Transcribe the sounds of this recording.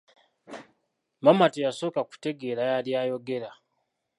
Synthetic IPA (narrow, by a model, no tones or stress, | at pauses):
mamatejaso̞ːkaku̥te̞ɡe̞ːɾajaljaːjo̞ɡe̞ɾa